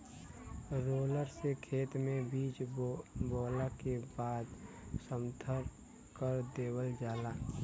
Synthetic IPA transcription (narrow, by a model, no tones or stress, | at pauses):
ɾoːləɾsekʰeːt̪mẽbiːt͡ʃboːlakebaːd̪ | səmt̪ʰəɾ | kəɾd̪eːwəld͡ʒaːlaː